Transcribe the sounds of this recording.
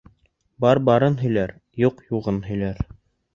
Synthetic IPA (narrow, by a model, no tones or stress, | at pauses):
bɑɾbɑɾɤnɦɵ̆jlæɾ | juqjuʁɤnɦɵ̆jlæɾ